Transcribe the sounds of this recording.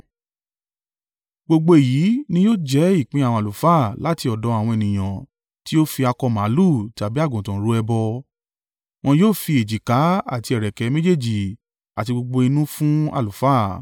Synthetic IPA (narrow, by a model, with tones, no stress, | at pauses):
ɡ͡bo˧ɡ͡bo˧˨jiː˨˦nĩ˧˦joː˦˨d͡ʒɛ˦i˦˨k͡pĩ˨˦a˨wɔ̃˧a˨lu˨fa˦˨la˨˦ti˧ɔ˨dɔ̃˨˦a˨w̃ɔ̃˧e˨nĩ˨j̃ã˨ | ti˦o˦fi˧a˧kɔ˧mã˨˦lu˦˨ta˨bi˨˦a˦˨ɡũ˨tã˨˦ɾu˨˦ɛ˧bɔ˧ | w̃ɔ̃˧joː˦˨fi˧e˨d͡ʒi˨ka˨˦a̰˦˨ti˧ɛ˨ɾɛ˨kɛ˨˧˦mẽ˦d͡ʒe˦˨d͡ʒi˨ | a˨ti˧ɡ͡bo˧ɡ͡bo˧i˧nũ˦fũ˦a̰˦˨lu˨fa˦˨